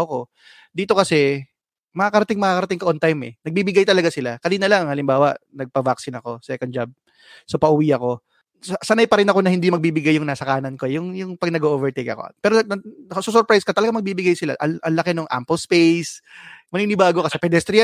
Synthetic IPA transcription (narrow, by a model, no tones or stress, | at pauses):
ʔoko | d̪iːt̪o̞kɐsɛ | mɐŋaːkɐɾɐt̪ɪŋmɐŋaːkɐɾɐt̪ɪŋkɐʔont̪ajmɛnɐɡ̚biːbɪɡajt̪ɐlɐɡasɪlakɐniːnɐlɐŋɐŋhɐlɪmbaːwɐnɐɡ̚pɐvaksɪnɐko̞sɛkon̚d͡ʒab̚ | sopɐʔʊwiːʔɐko̞ | sɐsɐnajpɐɾɪnɐko̞nɐhɪnd̪imɐɡ̚biːbɪɡajːʊŋnaːsɐkaːnɐnko̞ɛjʊŋjʊŋpɐɡ̚nɐɡoʔoːvɛɹt̪ejkɐ̰ko̰pɛːɾoɐsɐs̬ɔɾpɾajskɐt̪ɐlɐɡamɐɡ̚biːbɪɡajsɪla̰ʔɐʔɐnlɐkɛnoŋʔa̰mpolspejsmɐniːnɪbaːɡokɐsɛpɛd̪ɛst̪ɾi